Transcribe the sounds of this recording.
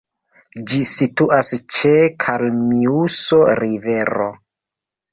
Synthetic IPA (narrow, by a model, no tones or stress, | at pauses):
d͡ʒisituʔast͡ʃekʰalmiuso̞ɾive̞ɾo̰